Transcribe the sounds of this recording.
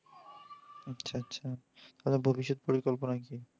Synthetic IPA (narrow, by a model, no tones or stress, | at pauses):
atːɕʰaatːɕʰa | t̪ad̪aɾbʱobiʃ̬ːod̪̚poɾikolp̬onaki